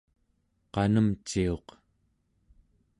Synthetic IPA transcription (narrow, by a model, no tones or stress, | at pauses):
qɑnəmt͡ʃio̞q